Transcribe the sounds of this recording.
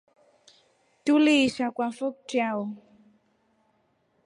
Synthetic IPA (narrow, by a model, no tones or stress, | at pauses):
tuliʃakwafɔk̚tjawɔ